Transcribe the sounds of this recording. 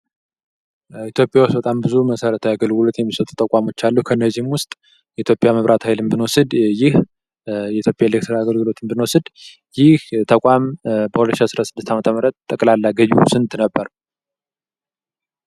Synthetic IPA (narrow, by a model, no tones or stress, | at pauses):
it̪ʰjo̞pʼjawusbət̪ʼambɨzuməsəɾət̪ʰaɡəlɡɨlo̞t̪jɛmːisət̪ʼu̥t̪ʰʼːəkʼamo̞t͡ʃːalːukʰəɨnːəzːihmwʊst̪ʼ | jɛit̪ʰjo̞pʼjaməβɾʔat̪ʰhajlɨmbɨnwɔsɨd̪jɪh | jɛit̪ʰjo̞pʼjaelek̚t̪ʰɾaɡəlɡɨlo̞t̪ʰɨnbɨnwɔsɨd̪ | jɪht̪ʰəkʷʼambəhwulət̪ːʃiasɨɾasɨd̪ːɨst̪amət̪ʰəməɾət̪t̪ʼːəkʼlalːaɡəjusɨnt̪nəbːəɾ